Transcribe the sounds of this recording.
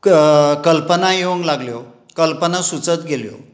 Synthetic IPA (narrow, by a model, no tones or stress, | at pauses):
kəlpənajoŋɡlaɡljo | kəlpənasut͡sət̪ɡʱeljo̰